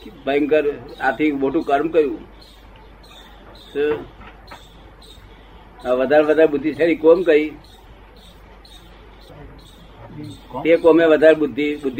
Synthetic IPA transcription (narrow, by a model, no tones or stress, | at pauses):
bəjŋkəɾat̪ʰiʋoʈũkəɾmkəɾjũː | sɨ | ʋəd̪ʱaːɾʋəd̪ʱaɾbʊd̪ʱːisʰeɾikomkəi | t̪ekomeʋəd̪ʱaɾbʊd̪ʱːibʊd̪ʱː